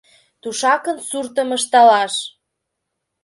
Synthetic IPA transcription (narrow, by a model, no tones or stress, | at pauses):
t̪uʃɑkənsurt̪əməʃt̪ɑlɑʃ